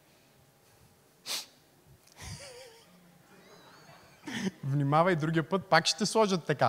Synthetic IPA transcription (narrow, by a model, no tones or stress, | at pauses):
vnimavɐjid̪ɾuɡʲiəpɤt̪̚pakʃt̪ɛslˠɔʒət̪ːɐka